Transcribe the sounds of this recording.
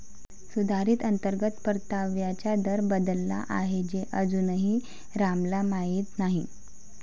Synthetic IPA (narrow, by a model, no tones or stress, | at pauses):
sud̪ʱaɾiːt̪ənt̪əɾɡət̪pəɾt̪aʋjat͡ɕjad̪əɾbəd̪əlːa̰ʔaɦed͡ʑeʔəd͡zunəɦi | ɾamlamaɦiːt̪naɦi